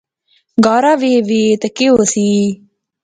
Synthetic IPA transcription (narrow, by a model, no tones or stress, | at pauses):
ɡaːɾaːʋeːʋeːt̪ɐkeoːsiː